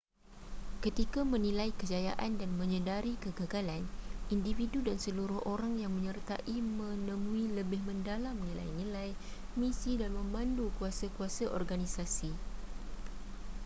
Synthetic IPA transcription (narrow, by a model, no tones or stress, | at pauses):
kət̪ikamə̃nĩlajkəd͡ʒaja̰ʔandanmə̃ɲədaɾikəɡaɡalanindividudansəluɾʊhʔoɾaŋjaŋmə̃ɲərt̪a̰ʔimə̃nə̃mũiləbɪhmə̃ndalamnila̰jnilaj | misidanmə̃mãndukuasakuasaʔɔrɡanisasi